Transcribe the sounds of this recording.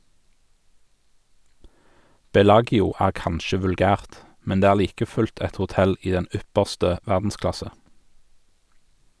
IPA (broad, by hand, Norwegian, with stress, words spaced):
ˈbɛˌlɑːɡɪʊ ˈæːʁ ˈkɑnʃə ʋʉlˈɡæːʁt ˈmɛn ˈdeː ˈæːʁ ˈliːkə ˈfʉlt ˈɛt hʊˈtɛl ˈiː ˈdɛn ˈʏpəʁstə ˈʋæʁdn̩ˌsklɑsə